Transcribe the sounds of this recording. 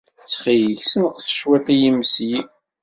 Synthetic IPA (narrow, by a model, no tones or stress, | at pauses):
t͡sːχijəçsənəqθə̥ʃwæt̪ˤijimsji